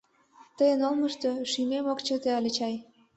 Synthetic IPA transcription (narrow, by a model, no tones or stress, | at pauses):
t̪əjənolmə̆ʃt̪oʃymemokt͡ɕə̆t̪eɑlʲet͡ɕɑj